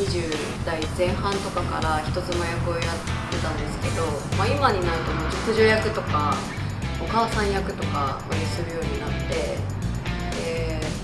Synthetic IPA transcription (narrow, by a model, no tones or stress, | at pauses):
ɲiʑɨː | d̪̥aizẽ̞ɰ̃ɦãnt̪o̞kaka̰ɾaçi̥t̪o̞zɨmajakɯ̟o̞jat̪ːe̞t̪ãnd̪e̞sɨ̥ke̞d̪o̞maimaɲ̟inaɾit̪omod͡ʑɨkɯʑoːjakɯ̟t̪o̞ka | o̞kaːsãɰ̃jakɯ̟t̪o̞kaɡoɲʲisɨɾɯ̟jo̞ːɲ̟inat̪ːe̞ | e